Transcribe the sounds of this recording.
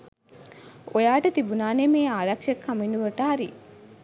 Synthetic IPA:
ojaːʈɐt̪ibunaːnemeːaːɾɐkʂɐkːaminuʋɐʈɐɦaɾi

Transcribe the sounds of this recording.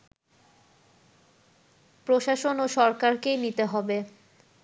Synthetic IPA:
pɾoʃaʃonoʃɔɾkaɾkejnit̪eɦɔbe

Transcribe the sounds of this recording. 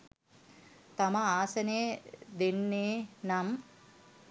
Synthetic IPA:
t̪ɐmɐaːsɐned̪enːeːnam

